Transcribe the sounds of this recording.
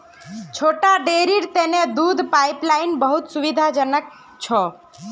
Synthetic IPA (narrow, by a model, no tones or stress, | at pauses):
t͡ʃʰoʈaɖeɾiɾt̪ened̪ud̪ʱpaiplainbəɦut̪suʋid̪ʱad͡ʒənək̚ | t͡ʃʰɔ